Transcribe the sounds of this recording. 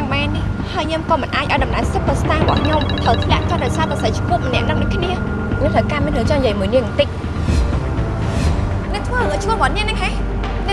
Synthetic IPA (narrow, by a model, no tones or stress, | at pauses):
maːnːihhaəjɲŏmkɑːmɨnʔaːc̚ʔaɔjɗɑmnaːsətp̚pːɑst̪aːrɔɓɑ̰hɲomt̪ʰəwt̪ʰlɛ̆əʔt͡ɕat̪̚ɗɑɔjsaːp̚ɑsəjt͡ɕʰkuəp̚mənɛ̆ʔnɨŋnɨːkʰniə | kuənt̪ʰəwkaːmiənʰəːt͡ɕɑŋnjəəjmuəjniəŋʔt̪ɨc̚ | niət̪ʰʋəːət͡ɕʰuəlmoət̪̚niənɨŋɦaː | ni